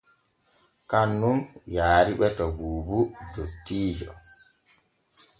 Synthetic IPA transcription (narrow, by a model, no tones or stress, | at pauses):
kanːunjaːɾiɓɛtɔɡuːbudotːiːd͡ʒɔ̰